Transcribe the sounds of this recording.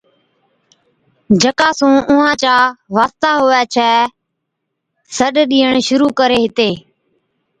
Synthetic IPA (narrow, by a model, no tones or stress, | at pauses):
d͡ʒʱəkaːsũːʔʊɦãːt͡ʃaːʋaːst̪aːɦʊːaːt͡ʃʰɛː | səɗɗiːəɳʃʊɾuːkəɾeːɦɪt̪eː